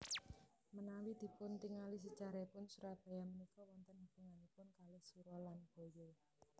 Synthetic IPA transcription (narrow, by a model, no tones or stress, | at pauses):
mənawid̪̥i̤pʊnt̪iŋalis̬ə̥t͡ʃaɾapʊnsuɾab̥a̤jamənikɔwɔnt̪əndit̪uŋalipʊnkalɔsuɾɔlanb̥o̤jɔ